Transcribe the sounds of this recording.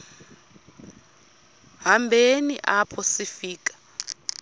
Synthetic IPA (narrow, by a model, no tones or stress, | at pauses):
ɦambʱenḭʔapʰɔsifiːk̬ʼḁ